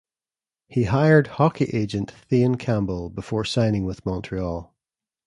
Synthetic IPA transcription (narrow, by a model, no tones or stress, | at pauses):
hiɦaɪə˞d̥̚hɔkʰiʔed͡ʒə̃nʔθiə̃nkʰãmbəlˠbɪfɔɹsãɪ̃nɪ̃ŋwɪð̥mɔ̃ntʰɹ̥iɔlˠ